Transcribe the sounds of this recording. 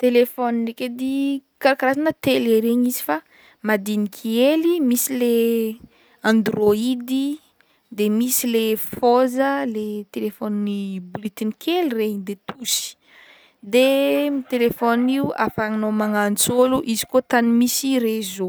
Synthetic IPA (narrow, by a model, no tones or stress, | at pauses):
t̪elefɔnineked̪ikaɾakaɾazanət̪eleɾeɲizi̥fa | mad̪inikʰielimisile | ãnd̪roid̪i | d̪emisilefozəlet̪elefɔnnibulit̪inikʰelireɲd̪et̪usi̥ | d̪emit̪elefɔniua̰faŋinomaŋant͡soluʔizi̥kot̪animisiɾezo